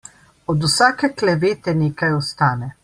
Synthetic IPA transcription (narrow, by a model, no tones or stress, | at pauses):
ɔd̪usaːkɛklɛʋeːt̪ɛneːkajɔst̪aːnɛ